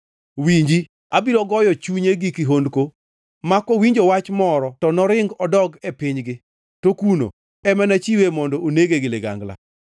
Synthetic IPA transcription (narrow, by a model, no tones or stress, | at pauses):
wiɲd͡ʒi | abiɾɔɡɔjɔt͡ʃuɲeɡikiɦondko | makːowiɲd͡ʒowat͡ʃmɔɾɔtɔnɔɾɪŋɡɔdɔɡepɪɲɡɪ | tokuno̰ | ɛmɛnat͡ʃiwemɔndɔʔoneɡeɡɪleɡa̰ŋɡla̰